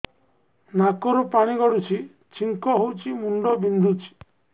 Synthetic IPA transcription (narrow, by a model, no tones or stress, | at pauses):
nakɔɾɔpaɽ̃iɡɔɽut͡ʃʰi | t͡ʃʰiŋkɔɦowt͡ʃʰimuɳɖɔbind̪ʱut͡ʃʰi̥